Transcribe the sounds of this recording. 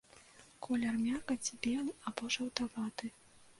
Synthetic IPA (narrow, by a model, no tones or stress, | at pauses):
kʰɔlʲɐrmʲakɐt͡sʲbʲɛlˠabɔʐɐwt̪avat̪ɨ